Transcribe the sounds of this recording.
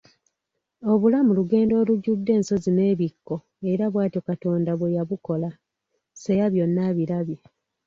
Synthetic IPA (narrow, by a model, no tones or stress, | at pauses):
o̞βulamuluɡe̞ːndo̞ːluɟudːe̞ːnso̞zine̞ːβikːo̞ | e̞ɾaβwaːtjo̞kato̞ːndaβwejaβuko̞la | sejaβjo̞nːaβiɾaβje